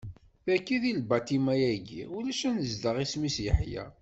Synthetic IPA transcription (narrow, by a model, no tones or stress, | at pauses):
θækːiðilbɑt̪imæjæɡḭulæʃænəzd̪əʁismisjə̰ħjæ̰